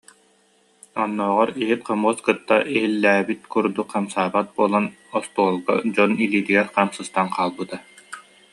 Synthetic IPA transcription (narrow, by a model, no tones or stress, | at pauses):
ɔnːɔːʁɔɾiɦit̪̚qamuɔskɯt̪ːa̰ʔiɦilːæːbit̪̚kuɾd̪ukːamsaːbat̪̚buɔlˠan | ɔst̪uɔlˠɡɔ̰d͡ʑɔniliːt̪iɡɛɾqaːmsɯst̪anqʰaːlˠbɯt̪a